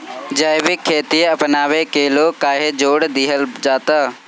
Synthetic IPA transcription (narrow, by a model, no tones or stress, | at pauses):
d͡ʒaːjʋɪkʰːeːt̪iɐpnaːʋekeːlokaːɦed͡ʒoːɽd̪ɪɦəld͡ʒaːt̪a